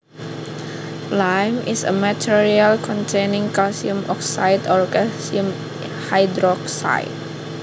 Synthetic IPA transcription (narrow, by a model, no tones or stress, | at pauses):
lajmisə̰matʰiɹialkʰɔ̃ntʰenɪ̃ŋkasiũmɔksa̰jtɔɹɡasium | hajdɾɔksa̰jt̚